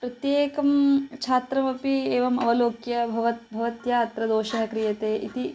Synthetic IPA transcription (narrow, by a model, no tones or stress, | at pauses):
pɾɐt̪jeːkɐmt͡ʃʰaːt̪ɾɐmɐpieːʋɐmɐ̰ʋɐloːkjɐbʱɐʋɐt̪̚bʱɐʋɐt̪jɐɐt̪ɾɐd̪oːʃɐɦɐkɾijɐt̪eːʔit̪i